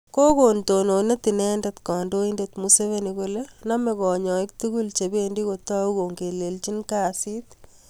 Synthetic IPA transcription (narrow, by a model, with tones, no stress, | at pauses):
ko˦ko˨nto˨no˨ne˦t̪i˨nɛː˦ndet̪kɔ˨ndo˦indet̪muse˦βe˦niko˦lena˦mekɔː˨ɲɔ˨ɪk̚t̪u˦ku˦lt͡ʃe˨beː˦ndi˦kot̪ːa˦uko˨ŋɡe˨le˨lt͡ʃi˦nkaː˦sit̪